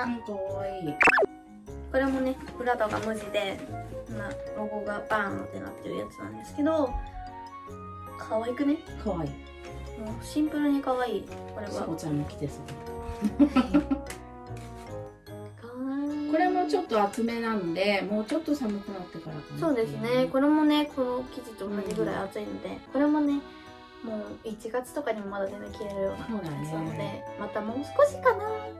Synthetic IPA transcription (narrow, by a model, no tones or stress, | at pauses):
kaβaiː | ko̞ɾe̞mo̞ne̞ɸɯ̟ɾat̪oka̰mɯ̟ʑid̪e̞maɾoɡo̞ɡabãnːo̰t̪ena̰t̪ːeɾɯ̟ja̰t͡sɨnã̰nd̪e̞sɨ̥ke̞d̪o̞ | kʰaβaikɯ̟ne̞ | kʰaβai | moːɕĩmpɯ̟ɾɯɲ̟ikaβaiːko̞ɾeβakot͡ɕaamokʲi̥d̪e̞sɨk̪e | kako̞ɾe̞mo̞t͡ɕo̞t̪ːo̞at͡sɨme̞nanod̪e̞mo̞ːt͡ɕo̞t̪ːo̞samɯkɯ̟nat̪ːe̞kaɾa̰kso̞ːd̪e̞sɨne̞ko̞ɾe̞mo̞ne̞kʰo̞no̞kʲiʑit̪ok̪ad͡ʑiɡɯ̟ɾa̰ḭat͡sɨino̞d̪e̞̰ko̞ɾe̞mo̞ne̞ | mo̞ːit͡ɕiɡat͡sɨ̥t̪o̞kaɲ̟imo̞mad̪ad̪emɯkʲiɾeɾɯ̟jonasoːnãnd̪esnod̪e̞mat̪amo̞ːsɨ̥ko̞ɕi̥kana